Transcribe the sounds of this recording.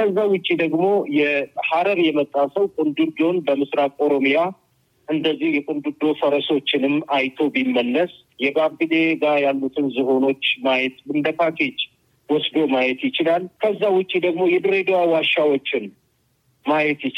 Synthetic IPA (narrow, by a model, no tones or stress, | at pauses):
kəzːawʊt͡ʃʼːid̪əɡmo̞jɛhaɾəɾjɛmət̪ʼːasəwkʼund̪ud̪o̞nbəmɨsɾakʼo̞ɾo̞mja | ʔɨnd̪əzːihjɛkʼund̪ud̪o̞fəɾəso̞t͡ʃːɪnɨmajt̪ʰo̞bimːənːəs | jɛbabɨle̞ɡajalːut̪ʰɨnzɨho̞no̞t͡ʃːmajɛt̪ɨnd̪əkakʰet͡ʃː | wɔsd̪o̞majɛt̪jɪt͡ʃɪlalːkʰəzːawʊt͡ʃʼːid̪əɡmo̞jɛd̪ɨɾed̪owawaʃːawot͡ʃːɪn | majɛt̪jɪt͡ʃ